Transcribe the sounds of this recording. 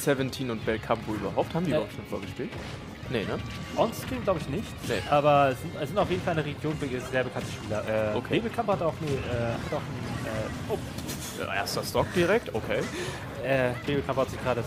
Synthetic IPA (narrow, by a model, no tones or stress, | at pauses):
sɛvɛntʰiːnʊnt̚b̥ɛlkʰampoyːbɐɦaʊp̚thaːmviɐaʊtt͡ʃːonfoːɐɡəʃpiːlt | nənə | ʔɔnstʁ̥iːmɡlaʊbəɪçnɪçtnḛʔaːbɐɛsz̥ɪntɛsz̥ɪntaʊfjeːdn̩falʔnəʁeɡjoːnfəiːɐzeːɐbəkʰantə̥ʃpiːlɐʔɛːokʰːeːbəkʰamphataʊxnəʔɛːhataʊxnəʔɛːʔo̰ː | ʔḛɐstɐstɔk̚d̥iʁɛk̚tʔokʰeː | ʔɛːv̥eːbəkʰamphatz̥ɪçɡ̥ʁaːɾə